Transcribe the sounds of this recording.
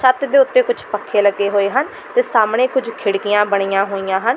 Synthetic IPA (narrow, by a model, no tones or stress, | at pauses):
ʃət̪d̪eːʊt̪ːeːkʊd͡ʒpəkʰːeːləɡːeːɦoːeːɦən | t̪eːsaːmɽ̃eːkʊd͡ʒkʰɪɽkɪjãːbəɽ̃ijãːɦoːijãːɦən